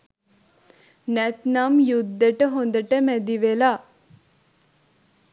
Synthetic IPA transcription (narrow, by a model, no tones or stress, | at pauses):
nɛt̪namjud̪ːəʈəɦond̪əʈəmɛd̪iʋela